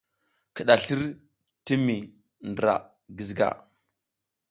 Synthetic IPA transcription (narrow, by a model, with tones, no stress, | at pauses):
ki˨ɗa˨ɬi˦ɾ | ti˦mi˨ | ndɾa̰˨ | ɡi˨zɡa̰˨